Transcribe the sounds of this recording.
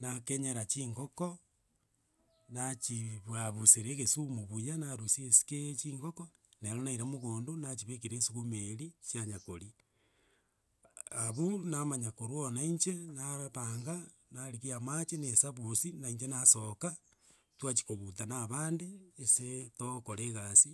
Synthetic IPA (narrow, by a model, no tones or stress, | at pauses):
nakeɲeɾat͡ʃiːŋɡoko | nat͡ʃiβwaβuseɾeɣesumoβujanaɾusiesi̥ket͡ʃiːŋɡoko | neɾonaiɾamoɣoːndonat͡ʃiβek̬iɾesuɣumeɾisjaɲakoɾi | aβunamaɲakoɾwonaiɲt͡ʃenaaβaŋɡa | naɾikiamat͡ʃenesaβusinaiɲt͡ʃenasoka | twat͡ʃi̥koβutanaβaːndeːsetokoɾeɣasi